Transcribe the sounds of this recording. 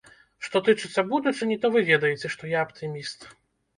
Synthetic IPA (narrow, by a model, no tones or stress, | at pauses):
ʂt̪ɔt̪ɨt͡ʂɨt̪sːɐbud̪ut͡ʂɨnʲit̪ɔvɨvʲɛd̪ɐjɛt͡sʲɛʂt̪ɔjaɐpt̪ʰɨmʲist̪